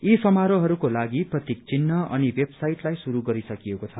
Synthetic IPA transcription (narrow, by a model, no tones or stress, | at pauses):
isʌmaɾoɦʌɾukolaɡiprʌt̪ik̚t͡sinːʌʔʌ̰nibebsajʈlajsuɾuɡʌɾisʌkiekot͡sʰʌ